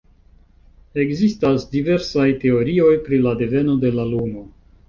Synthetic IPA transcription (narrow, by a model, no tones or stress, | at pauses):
e̞ɡzistasdive̞ɾsajte̞o̞ɾio̞jpɾilade̞ve̞no̞de̞lalumo̞